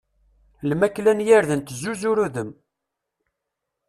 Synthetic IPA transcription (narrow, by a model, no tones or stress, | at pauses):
lmækːlænjaɾðənt̪zːuzuɾuðəm